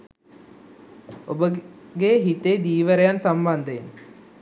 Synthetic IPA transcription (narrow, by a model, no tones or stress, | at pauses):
o̰bəɡeɦit̪ed̪iːʋəɾejansamband̪əin